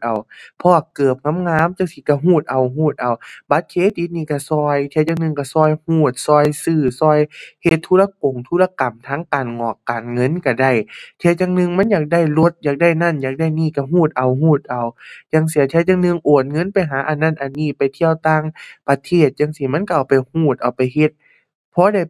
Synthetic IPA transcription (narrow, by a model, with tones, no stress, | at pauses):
ʔa˨˩wpʰɔː˧kɤː˨˩p̚ŋa˧˥˨mŋaː˧˥˨mt͡ɕaː˧˥ŋsi˧˦ka˧˩ɦuː˧˩t̪̚ʔa˨˩wɦuː˧˩t̪̚ʔa˨˩wba˧˦t̪̚kʰeː˧˥t̪i˧˦niː˧˩ka˧˩sɔː˧˩jt̪ʰɛ˧˦t͡ɕa˧ŋnɯ˧ŋka˧˩sɔː˧˩˨jhuː˧˩t̪̚sɔː˧˩jsɯː˧˩sɔː˧˩˨jhe˧t̪ʰːuː˧˥la˧k̚o˨˩ŋt̪ʰu˧˨la˧ka˨˩mt̪ʰaː˧˥ŋkaː˨nŋɔː˨˩kːaː˨˩nŋɤ˧˥˨nka˧˩da˧˩jt̪ʰɛː˧t̚t͡ɕa˧ŋnɯ˧˨ŋma˧˥˨njaː˨˩k̚da˧˩jlo˧t̪̚jaː˨˩k̚da˧˥˩jna˧˩˨njaː˨˩k̚da˧˩jniː˧˩˨ka˧˩ɦuː˧˥˩t̪̚ʔa˨˩wɦuː˧˥˩t̪̚ʔa˨˩wt͡ɕaː˧˩ŋsi˧˨˦t̪ʰɛ˧˦t̪̚t͡ɕaː˧ŋnɯ˧˨ŋʔoː˨˩n̚ŋɤ˧˥˨npa˨jɦaː˨˦ʔa˨˩nːa˧˩˨nʔa˨˩nːiː˧˩˨pa˨jt̪ʰi˧əwt̪aː˧˥˨ŋpa˧t̪ʰeː˧˥˩t̪̚jaː˧˨ŋsi˧˩ma˧˥˨nka˧ʔa˨wpa˨jhuː˧˩t̪̚ʔa˨˩wpa˨jhe˧˦t̪̚ | pʰɔː˧˥˦da˧˩j